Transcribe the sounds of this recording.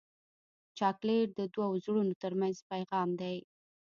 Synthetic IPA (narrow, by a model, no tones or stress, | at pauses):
t͡ʃɑkleɾd̪əd̪wawzɽunot̪əɾmanzpajɣɑmd̪aj